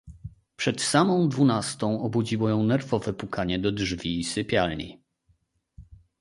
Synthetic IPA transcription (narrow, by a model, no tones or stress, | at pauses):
pʂɛt̪samɔ̃w̃d̪vunast̪ɔ̃w̃ɔbud͡ʑiwɔjɔ̃w̃nɛɾvɔvɛpukaɲɛd̪ɔdʐvʲiːsɘpʲjalɲḭ